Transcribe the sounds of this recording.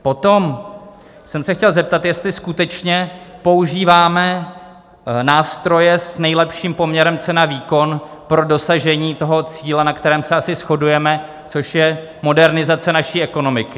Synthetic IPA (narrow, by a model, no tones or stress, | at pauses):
po̞t̪o̞m | sɛmsɛxcɛlzɛp̚t̪at̪jɛst̪lɪskut̪ɛt͡ʃɲɛpo̞uʒiːvaːmɛ | naːst̪ɾo̞jɛsnɛjlɛpʃiːmpo̞mɲɛɾɛmt͡sɛnaviːko̞npɾo̞do̞saʒɛɲiːt̪o̞ɦo̞t͡siːlɛnakt̪ɛɾɛːmsɛasɪsxo̞dujɛmɛ | t͡soʃjɛ | mo̞dɛɾnɪzat͡sɛnaʃiːʔɛko̞no̞mɪkɪ